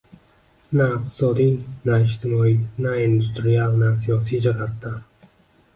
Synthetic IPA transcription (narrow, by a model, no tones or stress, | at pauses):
naɪq̚t̪ʰɪ̥sɒd̪inaɪʃt̪ʰɪmɒinaind̪ust̪ɾialˠnas̬ijɒsid͡ʒaɡat̪ːa